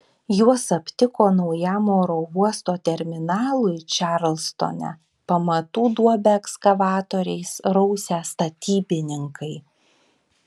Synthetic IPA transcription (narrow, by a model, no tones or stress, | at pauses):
juɔsɐpʲt̪ʲɪkoːnɒʊjæːmoːɾoːuɔst̪oːt̪ʲɛɾʲmʲɪnɑːlˠʊɪt͡ʃʲɑɾlʲˠst̪o̰nʲæ̰ | pɐmɐt̪uːd̪uɔbʲɛɛkskɐʋɑːt̪oːɾʲɛɪsɾɔʊsʲæːst̪ɐt̪ʲiːbʲɪnʲɪŋkʰɐɪ